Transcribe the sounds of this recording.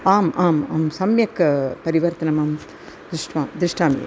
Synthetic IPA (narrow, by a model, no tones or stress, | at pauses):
aːmʔaːmaːmsɐmjɐkːɐpɐɾiʋɐɾt̪ɐnɐmaːm | d̪ɾɪʂʈʋaːmd̪ɾɪʂʈaːmḭ